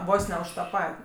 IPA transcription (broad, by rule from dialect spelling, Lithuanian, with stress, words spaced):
ˈʋoːs nʲɛ ʊʃ tɐ ˈpɐtʲ